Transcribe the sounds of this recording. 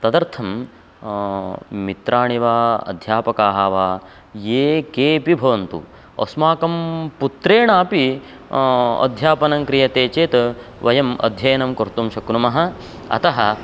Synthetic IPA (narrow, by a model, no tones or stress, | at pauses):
t̪ɐd̪ɐɾt̪ʰɐm | it̪ɾaːɳiʋaːɐ̰d̪ʱjaːpɐkaːɦaːʋaː | jeːkeːpibʱɐʋɐnt̪ṵ | ɐ̰smaːkɐmput̪ɾeːɳaːpi | ɐ̰d̪ʱjaːpɐnɐŋkɾijɐt̪eːt͡ʃeːt̪ɐʋɐjɐmɐ̰d̪ʱjɐjɐnɐmkɐɾt̪umʃɐkɾumɐɦɐ | ɐ̰t̪ɐɦɐ